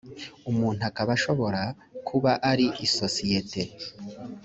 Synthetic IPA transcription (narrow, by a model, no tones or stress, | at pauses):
umuːn̥uakaβaʃo̞βo̞ɾa | kʰuβaʔaɾiiso̞sije̞te̞